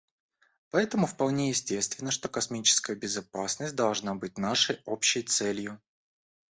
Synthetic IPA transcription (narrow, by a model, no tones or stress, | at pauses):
pɐɛt̪əmʊfpɐlˠnʲejɪsʲtʲe̞st̪vʲɪnːəʂt̪o̞kɐsmʲit͡ɕɪ̥skəjəbʲɪzɐpasnəsʲt̚ʲd̪ɐlˠʐnabɨt̚ʲnaʂəjo̞pɕːɪjt̪sɛlʲjʊ